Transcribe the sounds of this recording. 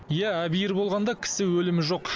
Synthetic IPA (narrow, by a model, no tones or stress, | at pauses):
jææbijɪɾbo̞lˠʁɑnd̪ɑkʲʰɪ̥sɪwɵlɪmɪʒo̞q